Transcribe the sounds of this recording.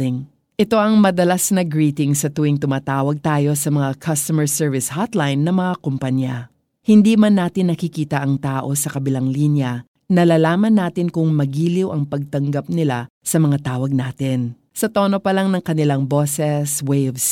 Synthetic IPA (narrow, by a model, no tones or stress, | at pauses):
ɪŋ | ʔɛt̪o̞ʔɐŋmɐd̪ɐlasnɐɡɹiːt̪ɪŋsɐt̪uwɪŋt̪ʊmaːt̪aːwɐɡ̚t̪aːjo̞sɐmɐŋakʰɐst̪ɐmɛɹsɛɹvɪshat̪lajnːɐmɐŋakompɐnja | hɪnd̪iːmɐnːaːt̪ɪnːɐkɪkiːt̪ɐʔɐŋt̪aːʔo̞sɐkɐbɪlaŋlinjɐ | nɐlaːlaːmɐnːaːt̪ɪnkʊŋmɐɡiːlɪwʔɐŋpɐɡ̚t̪ɐŋɡap̚nɪlasɐmɐŋat̪aːwɐɡ̚naːt̪ɪn | sɐt̪o̞ːno̞pɐlaŋnɐŋkɐnɪlaŋbosɛswejɐvs